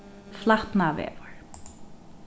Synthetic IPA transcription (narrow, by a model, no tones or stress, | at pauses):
flˠat̪navɛ̰ːvəɹ̥